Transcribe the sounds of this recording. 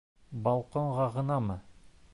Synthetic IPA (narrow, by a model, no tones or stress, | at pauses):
bɑlˠqoɴʁɑʁɤ̆nɑmɤ